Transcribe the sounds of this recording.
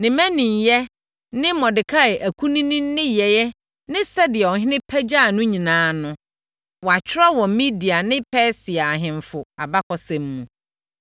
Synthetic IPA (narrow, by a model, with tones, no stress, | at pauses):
nɪ̃˨mæ̃˦nĩ˨ɲ˨jɛ˦ | nɪ̃˦mɔ̃˨dɪ˨kʰa˦˨ʔæ˨kʰu˦nĩ˦nĩ˦nː˦ɪ̃˦jɛ˨jɛ˦ | nɪ̃˦sɛ˦dɪ˨ɛ˨ɔ˨ɦɪ̃˦nɪ̃˦pʰæ˦d͡ʑa˦˨nʊ̃˦ɲĩ˨nãː˨˦nʊ̃˦ | wɔ˨a˨t͡ɕʰᶣɪ˦ɾa˦wɔ̃˨mmi˦di˨a˨nɪ̃˦pʰɛː˦sɪ˨a˨ɦɪ̃˨ɱ˨fʊ˨a˨ba˦kʰɔ˨sɛ̃˨mːũ˨